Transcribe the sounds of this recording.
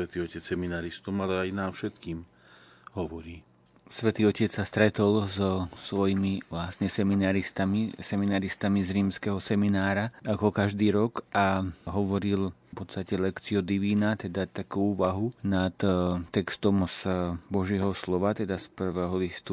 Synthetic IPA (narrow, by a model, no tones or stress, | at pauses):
ʋɛt̪iːɔcɛt͡ssɛminaɾist̪ɔmalɛajnaːfʃɛt̪kiːm | ɦɔʋɔɾiː | sʋɛt̪iːɔcɛt͡ssast̪ɾɛt̪ɔlzɔsʋɔjimiʋlasɲɛsɛminaɾist̪amisɛminaɾist̪amizɾiːmskɛɦɔsɛminaːɾaakɔkaʒd̪iːɾɔkʔaɦɔʋɔɾilpɔt̪st̪acɛlɛkt͡siɔd̪iʋiːnat̪ɛd̪at̪akuːuːʋaɦunat̪t̪ɛkst̪ɔmsbɔʒɪɛɦɔslɔʋat̪ɛd̪aspr̩ʋɛːɦɔlist̪u